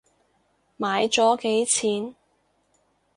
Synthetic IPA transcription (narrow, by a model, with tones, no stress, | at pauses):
maː˨˧jt͡sɔː˨˥ke˨˥jt͡sʰiː˨˥n